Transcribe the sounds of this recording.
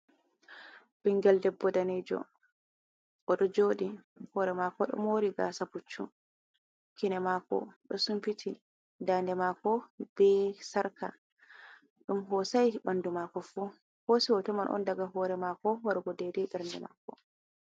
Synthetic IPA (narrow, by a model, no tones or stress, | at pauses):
biŋɡɛldɛbːɔdaned͡ʒɔ̰ | ʔɔɗɔd͡ʒoːdi | hɔːɾɛmakɔɗɔ̰moːɾiɡa̰ːsaput͡ʃːṵm | kinɛmakɔ̰ɗɔsumfitʰi | dandɛmaːkɔb̥ɛsaɾka̰ | ɗumɦɔːsajɓandumakɔfu | hosiwɔtɔmanʔɔ̰ndaɡaɦɔːɾɛmakɔwaɾɡɔdedɛdɛɾndɛ̰ma̰kɔ